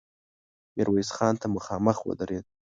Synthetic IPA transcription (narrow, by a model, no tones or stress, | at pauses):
mɪɾwajsχɑːnt̪ʰamʊχɑːməxwə̰d̪aɾed̪̥̚